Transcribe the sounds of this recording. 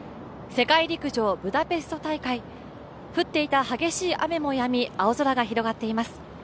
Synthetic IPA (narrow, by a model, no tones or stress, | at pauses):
se̞kaiɾʲikɯ̟ʑo̞ːbɯ̟d̪ape̞sɨ̥t̪o̞t̪aikai | ɸɯ̟t̪ːe̞it̪ahaɡe̞ɕiːʔa̰me̞mo̞jamʲiao̞zo̞ɾaɡaçiɾo̞ɡat̪ːe̞imasɨ̥